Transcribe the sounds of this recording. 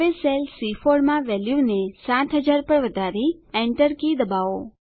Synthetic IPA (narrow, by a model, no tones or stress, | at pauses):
eselsifoɽmãʋɛljunesãt̪ʰɦəd͡ʒaɾpəɾʋəd̪ʱaɾiɛɳʈəɾkid̪əbaʋo